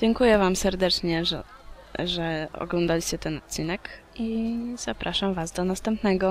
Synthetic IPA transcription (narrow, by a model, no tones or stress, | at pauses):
d͡ʑɛŋkujɛvamsɛɾd̪ɛt͡ʂɲɛʐ | ʐɛɔ̰ɡlɔnd̪alʲist͡ɕɛt̪ɛnɔt̪̚t͡ɕinɛk | iz̥apɾaʂamvasd̪ɔnast̪ɛmpnɛɡɔ